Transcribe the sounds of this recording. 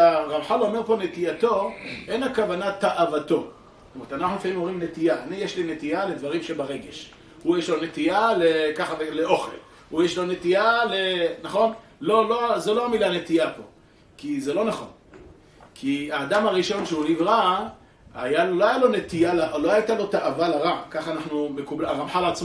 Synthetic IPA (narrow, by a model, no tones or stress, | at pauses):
aʁavħalo̞me̞ʁpo̞ne̞t̪iat̪o̞e̞nakavanat̪aʔavat̪o̞ | stomeet̪anaχnumifaimomʁimne̞t̪ijaːnijeʃlinet̪iale̞d̪vaʁimʃebaʁe̞ɡe̞ʃ | hujeʃlo̞ne̞t̪ialekaχaveleʔo̞χḛl | hujeʃlo̞ne̞t̪ialenaχo̞n | lo̞lo̞zeloamilane̞t̪iapo̞̰ | kizelo̞naχo̞̰n | kʰiaːd̪amaʁiʃo̞nʃeunivʁa | ajaloajalo̞ne̞t̪ijalaloait̪alo̞t̪aʔavalaʁakaχaːnaχnume̞kublaʁamħalat͡smo